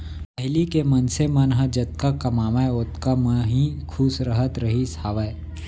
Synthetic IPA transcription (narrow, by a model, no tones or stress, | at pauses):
pəɦɪlikemɐnsemɐnɦəd͡ʒɐt̪̚kakɐmaːmaʊt̪kəməɦĩkʰusɾəɦət̪ɾəɦisaːʋəe